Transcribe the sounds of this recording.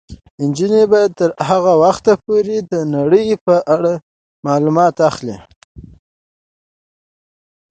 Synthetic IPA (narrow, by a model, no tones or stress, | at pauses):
ɪnd͡ʒinebɑjad̪̚t̪əɾhaɣawaxt̪apoɾed̪ənaɽəjpəʔaɽa | mɑlumɑt̪axli